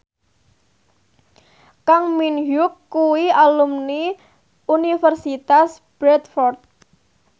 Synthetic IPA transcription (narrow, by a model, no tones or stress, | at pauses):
kaŋminjʊkːuwialumni | unifərsit̪as | b̥ɾɛt̪fɔrt̪̚